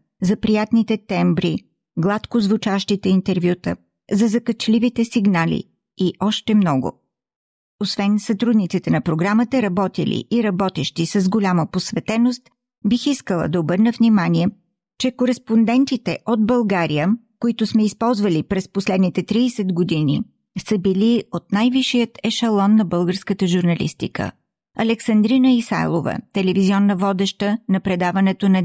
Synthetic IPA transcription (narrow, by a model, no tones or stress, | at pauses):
zɐpɾijat̪nit̪ɛt̪ɛmbɾi | ɡlˠat̪kozvut͡ʃaʃt̪it̪ɛint̪ɛɾvjut̪ə | zɐzɐkət͡ʃlʲivit̪ɛsiɡnalḭ | iʔɔʃt̪ɛmnɔɡʊ̰ | osvɛnsɐt̪ɾud̪nit̪sit̪ɛnɐpɾoɡɾamət̪əɾɐbɔt̪ḭlʲḭʔiɾɐbɔt̪ɛʃt̪isəzɡolʲaməposvɛt̪ɛnost̪ | bixiskəlˠə̰d̪ɐobɤɾnəvnimaniɛ | t͡ʃɛkoɾɛspond̪ɛnt̪it̪ɛʔod̪̚bɐlˠɡaɾijə | koit̪ʊsmɛispɔlˠzvəlipɾɛsposlɛd̪nit̪ɛt̪ɾiːsɛd̪ɡod̪ini | səbiliot̪najviʃijət̪ɛʃɐlˠɔnːɐbɤlˠɡəɾskət̪əʒuɾnɐlḭst̪ḭkə̰ | ɐlɛksɐnd̪ɾinəisa̰jlˠo̰və̰t̪ɛlɛviziɔnːəvɔd̪ɛʃt̪ənɐpɾɛd̪avɐnɛt̪onɐ